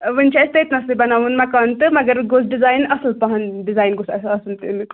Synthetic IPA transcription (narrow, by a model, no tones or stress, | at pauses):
ʋɨnʲt͡ʃʰast̪ɐit̪nɐslibɐnaːʋunmakɐnt̪ɨmɐɡəɾɡos̬ɖizaːjnɐslpɐɦɐnɖizaːjnɡosɐsɐsɨnt̪ɨn